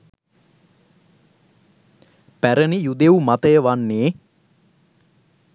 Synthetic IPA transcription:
pæɾənijud̪eumat̪əjəʋanːeː

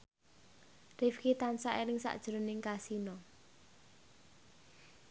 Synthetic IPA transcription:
rifkit̪ansaʔenɪŋsa̰ʔd̥ʒ̥ɾonɪŋkasinɔ

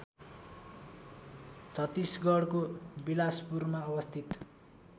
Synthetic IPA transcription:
t͡sʰʌt̪isɡʌɽkobilaspurmaʌbʌst̪ʰit̪

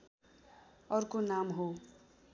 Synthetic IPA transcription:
ʌrkonamɦo

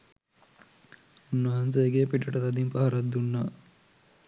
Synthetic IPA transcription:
unːɐɦɐnseɡeːpiʈɐʈɐt̪ɐd̪impɐɦɐɾɐd̪ːunːaː

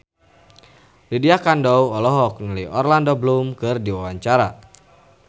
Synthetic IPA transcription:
lidiakandɔwɔlɔɦɔkŋəliɔrlandoblumkɨrdiwawaɲt͡ʃaɾa

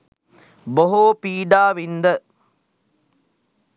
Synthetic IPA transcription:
boɦoːpiːɖaːʋind̪ɐ

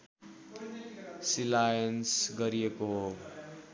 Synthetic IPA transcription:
silajʌnsɡʌɾiekoɦo

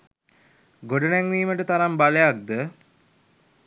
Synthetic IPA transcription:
ɡoɖənæŋʋiːməʈət̪aɾambalejak̚d̪ə

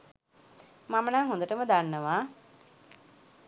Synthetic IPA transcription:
mamənaŋɦond̪əʈəməd̪anːəʋaː

